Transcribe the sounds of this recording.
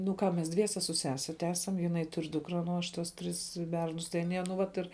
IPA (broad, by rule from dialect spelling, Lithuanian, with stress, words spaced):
nʊ ˈkɑː mʲɛs ˈdʲʋʲiɛsʲɛ sʊ ˈsʲæːsʲɛ ˈtʲæːsɐm jɪˈnɐɪ tʊrʲ ˈduːkrɐ ˈnʊ ɐʃ ˈtuɔs ˈtʲrʲɪs ˈbʲɛrnʊs tɐɪ ɐˈnʲiɛ nʊ ˈʋɐt ɪr